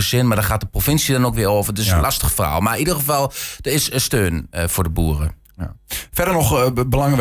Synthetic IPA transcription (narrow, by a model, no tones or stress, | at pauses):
əsɪnmadɔχaːt̚dəprofɪnsjədɔnokʋɪəoːvərdɪənlastəxfəra̰ːlˠmaidərxəfɑlˠd̥ərɪsəstøːnfʊːdəbuːərə | fɛdənɔxbəlaŋʋ